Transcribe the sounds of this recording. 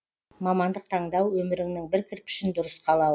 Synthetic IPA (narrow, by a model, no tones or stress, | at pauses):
mɑmɑnd̪əq̚t̪ʰɑɴd̪ɑwwɵmɪɾɪŋnɪŋbɪɾkʲʰɪɾkʲɪ̥ʃɪnd̪ʊɾəsqʰɑlˠɑ